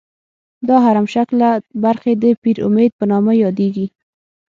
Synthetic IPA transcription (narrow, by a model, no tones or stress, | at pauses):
d̪ɑɦaɾamʃaklabaɾxed̪əpiɾʊ̰med̪̚pənɑmajɑd̪eɡi